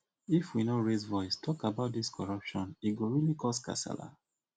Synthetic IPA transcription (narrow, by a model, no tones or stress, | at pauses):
ifwinoɹezvɔɪstʰɔkabaʊt̚diskʰɔɹapʃɔ̃niɡoɹilikʰɔska̰sa̰la̰